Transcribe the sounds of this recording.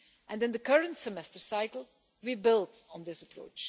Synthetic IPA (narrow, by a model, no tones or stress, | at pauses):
ʔɛ̃nɨ̃nd̪əkʌɹə̃ntsɛmɛstəɹsaɪkl̩ˠ | wibɪlˠdɔ̃n̩dɪsəpɹo̰ʊt͡ʃ